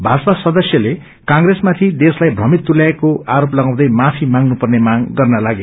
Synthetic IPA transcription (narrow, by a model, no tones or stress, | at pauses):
bʱasasʌd̪ʌsjʌle | kãŋɡresmat̪ʰid̪eslajbʱrʌmit̪ːulaekoaɾoplʌɡãw̃d̪ʌjmapʰimaŋnupʌrnemaɡɡʌrnʌlaɡe